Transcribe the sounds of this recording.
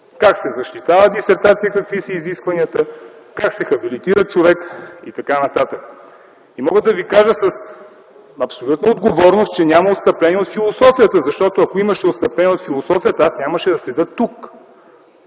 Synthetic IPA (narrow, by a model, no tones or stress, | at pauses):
kaksɛzɐʃt̪it̪avəd̪isɛɾt̪at̪sijəkɐkvisəiziskvɐniət̪əkaksɛxɐbilit̪iɾət͡ʃovɛkit̪ɐkanɐt̪at̪ək | imɔɡəd̪ɐvikaʒəsɐs | ɐpsolʲut̪nəod̪ɡovɔɾnost̪t͡ʃɛnʲamɐot̪st̪ɐplɛniɛot̪filˠosɔfijət̪əzɐʃt̪ɔt̪oɐkoiməʃɛot̪st̪ɐplɛniɛot̪filˠosɔfijət̪əasnʲaməʃɛd̪ɐslɛd̪ɤt̪ːuk